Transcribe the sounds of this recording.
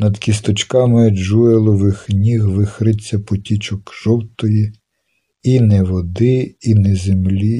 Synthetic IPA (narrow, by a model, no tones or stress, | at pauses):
nɐd̪kʲis̬t̪ɔt͡ʃkɑmɪʒuelˠɔʋɪxnʲiɣʋɪxɾɪt͡sʲːɐpɔtʲit͡ʃɔkʒ̥ɔwt̪ɔji | inɛʋɔd̪ɪinɛzemlʲi